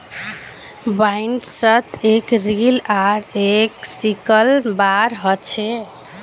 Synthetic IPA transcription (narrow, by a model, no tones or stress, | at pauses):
baiɳʈsət̪ekɾilaɾeksikəlbaɾɦɔt͡ʃʰɛ